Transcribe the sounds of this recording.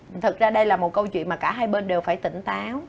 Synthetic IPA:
t̪ʰɨ˨˩t̚zaː˧ɗə˧jlaː˨˩mo˨˩t̚kə˧wt͡ɕwḭ˧˨nmː˨˩kaː˧˩ɦaː˧jɓe˧nɗe˨˩wfaː˧˩jt̪ï˧˩ŋ̟t̪aː˨˦w

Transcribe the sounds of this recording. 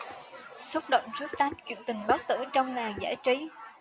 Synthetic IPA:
sə˦˥t̚ɗə̰˧˨wŋ͡mzɨ˦˥k̚t̪aː˨˦mt͡ɕwḭ˧˨nt̪ï˨˩ŋ̟ɓa˨˦˥t̚t̪ɨ˧˩t͡ɕɔ˧wŋ͡mlaː˨˩ŋza̰ː˧˩jt͡ɕi˨˦

